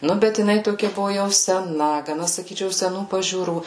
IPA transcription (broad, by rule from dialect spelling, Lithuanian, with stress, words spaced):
ˈnʊ bʲɛt jɪˈnɐɪ ˈtoːkʲɛ ˈbʊʋoː jɛʊ sʲɛˈnɐ ɡɐˈnɐ sɐˈkʲiːt͡ʃʲɛʊ sʲɛˈnuː pɐʒʲuːˈruː